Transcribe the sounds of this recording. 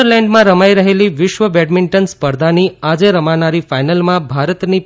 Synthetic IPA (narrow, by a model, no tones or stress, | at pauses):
əɾlɛɳɖmãɾəmajɾəɦeliʋɪʃʋəʋɛɖmɪɳʈənspəɾd̪ʱaniad͡ʒeɾəmanaɾifajnəlmãbʱaɾət̪ni